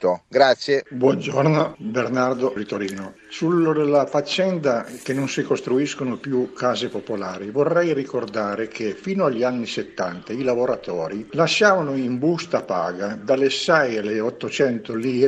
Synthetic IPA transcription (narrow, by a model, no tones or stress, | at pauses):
t̪oɡɾat̪sːjebwɔnd͡ʒornobernard̪orit̪oɾiːno | sulod̪elːafat͡ʃːɛnd̪akenːonsikost̪ɾuiskonopjukaːzepopolaːɾivorːɛjrikord̪aːɾekʰefiːnoaʎːianːiset̪ːa̰nt̪ailavoɾat̪ɔːɾilaʃːaːvanoimbust̪apa̰ːɡad̪alːesɛjalːeɔt̪ːot͡ʃɛnt̪oliː